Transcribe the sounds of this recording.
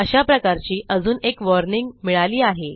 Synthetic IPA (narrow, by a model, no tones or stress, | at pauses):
əɕapɾəkaɾt͡ɕiːʔəd͡zuːnekʋɔɾniŋɡmiɭaliːaɦe